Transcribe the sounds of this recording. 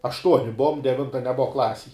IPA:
ɐʃˈtuɔnʲɪ ˈbʊʋoːm dʲɛˈʋʲɪntɐ nʲɛˈbʊʋɐ ˈklˠɑːsʲeːj

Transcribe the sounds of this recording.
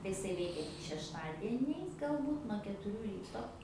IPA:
tɐɪ ɪˈsɐɪ ˈʋʲɛɪkʲɛ tʲɪk ʃʲɛʃˈtɑːdʲiɛnʲɛɪs ɡɐlˠˈbuːt nuɔ kʲɛtʊˈrʲuː ˈrʲiːtoː

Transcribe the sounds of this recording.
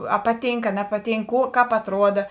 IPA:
ɐ ˈpɑːˌtʲiːŋk ɐ ˈnʲæːpɐˌtʲiːŋk ˈkuː ˈkɑːp ɐtˈruɔdɐ

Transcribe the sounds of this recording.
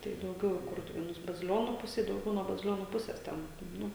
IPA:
tɐɪ dɐʊˈɡʲɛʊ ɪ ˈkʊrtʊʋʲeːnʊs bɐzʲɪˈlʲoːnuː ˈpʊsʲeː dɐʊˈɡʲɛʊ nuɔ bɐzʲɪˈlʲoːnuː ˈpʊsʲɛs ˈtʲɛn ˈnʊ

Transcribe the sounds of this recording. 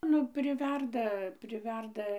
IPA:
ˈnʊ pʲrʲɪˈʋʲɛrdɐ pʲrʲɪˈʋʲɛrdɐ

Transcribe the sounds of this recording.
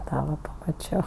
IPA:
ˈtɑː ʋɐ pɐmɐˈt͡ʃʲoː

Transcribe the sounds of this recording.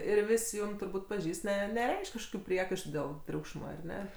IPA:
ɪr ˈʋʲɪsʲ ˈjuːm tʊrˈbuːtʲ pɐˈʒʲiːst ˈnʲɛ nʲɛˈrʲɛɪʃʲkʲ kɐʃˈkoːkʲʊ ˈpʲrʲiɛkɐɪʃtʊ dʲeːlˠ ˈtʲrʲuːkʃmɐ ɐr ˈnʲɛ

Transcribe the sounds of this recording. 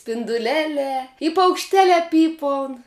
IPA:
sʲpʲɪndʊˈlʲæːlʲɛː ɪ pɐʊkʃʲˈtʲæːlʲɛː ˈpʲiːpɐʊn

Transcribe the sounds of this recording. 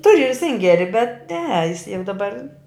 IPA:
ˈtʊrʲʊ ɪr ˈsʲɪŋʲɡʲɛrʲɪ bʲɛt nʲɛ jɪs jɛʊ dɐˈbɐr

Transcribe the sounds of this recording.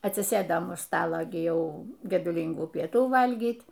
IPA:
ɐtʲsʲɪˈsɘdɐm ʊʃ ˈstɑːlˠoː ɡʲɪ ˈjɛʊ ɡʲɛdʊˈlʲiːŋɡuː pʲiɛˈtuː ˈʋɐlʲɡʲiːtʲ

